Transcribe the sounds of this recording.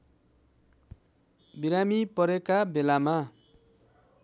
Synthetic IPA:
biɾamipʌɾekabelama

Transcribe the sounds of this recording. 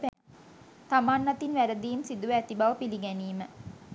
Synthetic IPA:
t̪amaːnːat̪inʋæɾəd̪iːmsid̪uʋəæt̪ibaʋəpiliɡɛniːmə

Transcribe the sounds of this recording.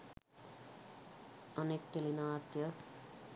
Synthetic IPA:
ʌnekʈelinaat̪jʌ

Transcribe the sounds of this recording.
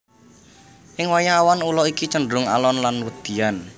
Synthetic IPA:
ʔɪŋwajaːwanulɔikit͡ʃəɳɖɾʊŋa̰lɔnlanwəd̪̥i̤an

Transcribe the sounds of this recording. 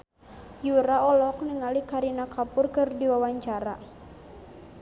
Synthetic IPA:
juɾaɔlɔkniŋalikaɾinakapʊrkɨrdiwawaɲt͡ʃaɾa

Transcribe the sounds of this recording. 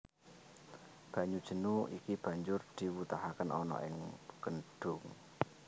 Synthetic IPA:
b̥ä̤ɲud̥ʒ̥ə̤nuikib̥ä̤ɲd͡ʒʊrd̪̥i̤wut̪aɦakənɔnɔ̰ʔɪŋɡ̥ənɖ̥ʊ̤ŋ

